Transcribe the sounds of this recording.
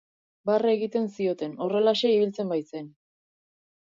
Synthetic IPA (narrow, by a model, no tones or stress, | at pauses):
bare̞ɣit̪e̞nsio̞t̪e̞no̞re̞laʃe̞iβilt͡se̞mbajt͡se̞n